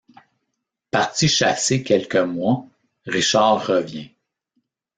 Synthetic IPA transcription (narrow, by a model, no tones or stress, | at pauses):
paʁt͡siʃasekʲɛlkʲəmwa | ʁiʃaːəvjɛ̃